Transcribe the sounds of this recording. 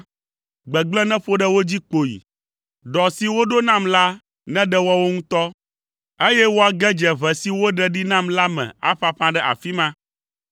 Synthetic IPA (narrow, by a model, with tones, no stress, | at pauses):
ɡ͡bɛ˨ɡ͡blɛ˦nɛ̃˦ɸo˦ɖɛ˦wo˦d͡ʑi˦k͡po˨jḭ˨ | ɖɔ˨si˨wo˦ɖo˦nã˦mla˦ | nɛ̃˦ɖɛ˦wɔ˦wo˦ŋũ˦t̪ɔ˦ | e˦jɛ˦wo˦a˨ɡɛ˦d͡ʒɛ˨βɛ˨si˦wo˦ɖɛ˦ɖi˦nã˦mla˦mɛ̰̃˨a̰˦ɸa˦ɸã˦ɖɛ˦ʔa̰˨fi˦mã˦